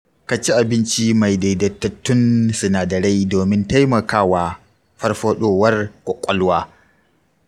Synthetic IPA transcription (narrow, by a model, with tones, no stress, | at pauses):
ka˨t͡ʃi˦ʔa˨bɪ˦nt͡ʃi˦ma˨jda˨jdɐ˨tːɐ˨tːʊ˦nsʊ˨naː˨dɐ˨ɽɐ˦jdoː˨mɪ˦nta˦jmɐ˨kaː˦waː˨ | ɸɐ˦rɸoː˦ɗoː˦˨wɐ˦rkʷʼɔ˨kʷʼɔ˦lwaː˦